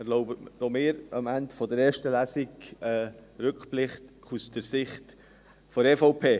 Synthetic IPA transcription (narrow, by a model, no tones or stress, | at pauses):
ɛɾloʊbənɔmeːɾɑmændfɔdəɾɛːɾʃtəlæsiɡɛːɾʏkplɪχtkʰusd̥əɾsɪχt | fɔɾɛfɔʊpʰeː